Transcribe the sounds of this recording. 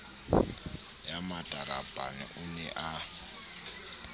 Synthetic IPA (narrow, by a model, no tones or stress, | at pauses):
jamatʼaɾab̥ʱanḭʔunɛʔa